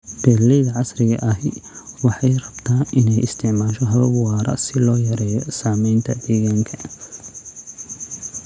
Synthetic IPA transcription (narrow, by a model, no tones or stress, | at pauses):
b̥ɛːlɛjðɐʕɑsrɪɣɐ̰ʔɐɦɪwɑħɑjrɐbt̪ʰaːʔɪnɛjɪst̪ʰɪʕmaːʃɔɦɐβɐbʊwɑːɾɐ̰sɪlɔːjɐɾɛːjɔsaːmɛjnt̪ʰɐd̪ɛːɣaːŋkʰɐ̥